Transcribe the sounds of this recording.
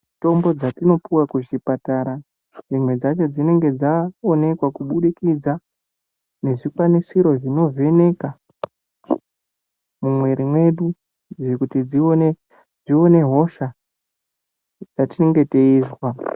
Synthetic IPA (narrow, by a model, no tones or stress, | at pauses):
to̞mbo̞d͡zatino̞puwakuʒipataɾa | ʐimwe̞d͡zat͡ʃo̞d͡zine̞ŋɡe̞d͡zaone̞kwakuɓuɗikid͡za | ne̞ʐikwanisiɾo̞ʐino̞ve̞ne̞ka | mumwe̞ɾimwe̞ɗu | ʐekutid͡zine | d͡zio̞ne̞ɦo̞ʃa | d͡zatineŋɡe̞te̞iːzwa